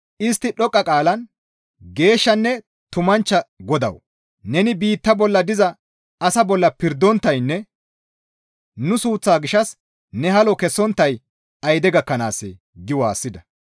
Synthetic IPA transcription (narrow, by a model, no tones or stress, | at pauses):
ɪst̪ːɪɗɔkʼːɐkʼaːlɐn | ɡe̞ːʃːɐnːɛ | t̪ʊmɐnt͡ʃːɐɡɔd̪ɐ̰w | nɛnɪbiːt̪ːɐbɔlːɐd̪ɪzɐ | ɐsɐbɔlːɐpɪɾd̪ːɔnt̪ːɐjnːɛ | nʊsuːt͡sːaːɡɪʃɐs | nɛɦɐlɔkɛsːɔnt̪ːɐj | ɐjd̪ɛɡɐkːɐna̰ːsːɛ̰ | ɡɪwaːsːɪd̪ɐ